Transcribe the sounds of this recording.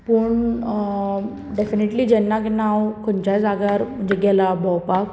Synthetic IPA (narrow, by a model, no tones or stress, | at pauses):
pəːɳ | ɖefineʈlid͡ʑɛnːaknawkʰoɳt͡ɕad͡zaɡaɾm̤əɳd͡ʑeɡɛlabɔwpak